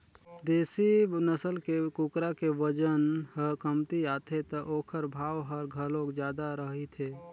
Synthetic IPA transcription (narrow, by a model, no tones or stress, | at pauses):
d̪eːsinəsəlkekukɾakeʋəd͡ʒənɦəkəmt̪ijaːt̪ʰet̪əʔoːkʰəɾbʱaːwɦəɾɡʱəlõkd͡ʒjaːd̪aɾəɦit̪ʰe